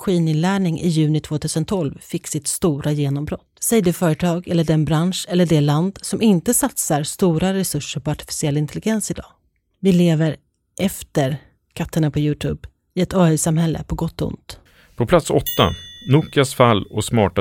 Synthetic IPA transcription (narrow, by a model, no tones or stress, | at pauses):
ɧiːnɪnlæːɳɪŋʔɪ̰jʉ̟ːnɪt̪ʰv̥oːt̪ʰʉ̟ːsənt̪ʰɔlvfɪkːsɪt̪st̪uːɾajeːnɔmbɾɔt̪ːsɛjd̪ɛfœːɾət̪ʰɑːɡɛlːəɖɛnbɾanʂɛlːəɖɛland̪sɔmɪnt̪əsat̪saɾst̪uːɾaɾɛsɵʂːəɾpɔaʈɪ̥fɪ̥sɪɛlːɪnt̪ʰɛlɪɡɛnsɪd̪ɑ̰ː | vɪleːvəɾ | ʔɛft̪əɾ | kʰat̪ʰːəɳapʰɔjʉ̟ːt̪ʰʉ̰ːb | ɪɛt̪ɑːœsamhɛlːə̰pʰɔɡɔt̪ːʊ̰nt̪ | pʰɔpʰlat̪sɔ̰t̪ːa̰nuːkɪasfalːɔsmɑːʈa